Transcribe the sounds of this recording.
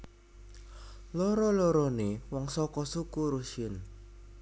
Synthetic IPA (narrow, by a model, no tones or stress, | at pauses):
lɔɾɔlɔɾɔnewɔŋsɔkɔsukuɾuʃɪn